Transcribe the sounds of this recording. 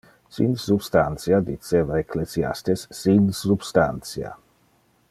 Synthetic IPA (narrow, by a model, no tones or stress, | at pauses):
sḭnsubst̪ant̪sjad̪it̪sevaekʰlesia̰st̪esːinsubst̪ant̪sia̰